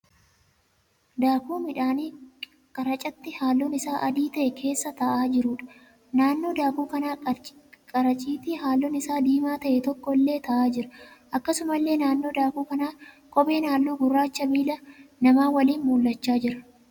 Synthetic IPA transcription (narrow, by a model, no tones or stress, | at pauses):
d̪aːkuːmɪᶑaːni | kʼɐɾɐt͡ʃʼɐt̪ːɪhaːlːɔnɪsaːʔɐd̪iːt̪ɐʔɛkʰe̞ːsːɐt̪ɐʔaːd͡ʒɪɾʊːᶑɐ̥ | naːnːo̞ːd̪aːkuːkɐnaːkʼɐɾɐt͡ʃʼiːt̪ɪhaːlːonɪsaːd̪iːmaːt̪ɐʔɛt̪ɔkːɔɪlːe̞ːt̪ɐʔaːd͡ʒɪɾɐʔɐkːɐsʊmɐlːe̞ːnaːnːo̞ːd̪aːkuːkɐnaː | kʼɔbe̞ːnaːlːuːɡʊrːaːt͡ʃːɐbiːlɐnɐmaːwɐliːnmuːlːɐt͡ʃːaːd͡ʒɪɾɐ̥